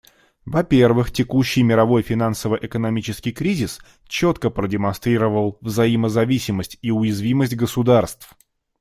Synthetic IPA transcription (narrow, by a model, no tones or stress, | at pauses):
vɐpʲe̞rvɨxtʲɪkuɕːɪjmʲɪɾɐvo̞jfʲɪn̪ansəvəʔɪkənɐmʲit͡ɕɪskʲɪjkɾʲizʲɪs | t͡ɕo̞t̪kəpɾədʲɪmɐnst̪ɾʲiɾəvəlˠvzɐiməzɐvʲisʲɪməsʲtʲiʊjɪzvʲiməsʲtʲɡəsʊd̪arst̪f